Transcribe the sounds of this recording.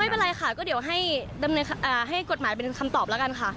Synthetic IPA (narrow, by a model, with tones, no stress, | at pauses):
pe˧nɾa˧jxa˥˩kɔː˥˩di˩˦wɦa˥˩jda˧mnɤː˧nʰ˧ʔaː˨˩ɦa˥˩jko˨˩t̪̚maː˩˦jp̬e˧nkʰa˧mt̪ɔː˨˩p̚lɛ˦˥ka˧nkʰa˥˩ʔ